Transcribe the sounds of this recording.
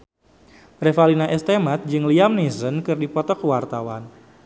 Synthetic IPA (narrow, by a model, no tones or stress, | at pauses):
ɾefalinaʔɛst̪emat̪̚d͡ʒɨŋliamnizənkɨrdipɔt̪ɔkəwart̪awa̰n